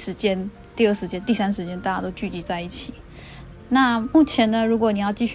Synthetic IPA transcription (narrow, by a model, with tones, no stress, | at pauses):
ʂɻ̩˧˥t͡ɕjɛ˥n | t̪i˥˧ə˥˩ʂɻ̩˧˥t͡ɕjɛ˥nt̪i˥˩sa˥nʂɻ̩˧˥t͡ɕjɛ˥nt̪a˥˩t͡ɕja˥t̪o˥ʊt͡ɕy˥˩t͡ɕi˧˥t͡sa˥˧ɪi˥˩t͡ɕʰi˨˩˦ | na˥˩mu˥˩t͡ɕʰjɛ˧˥nnə˧ɻu˧˥kwɔ˧˩˦ni˨˩jɑ˥˧ʊt͡ɕi˥˧ɕ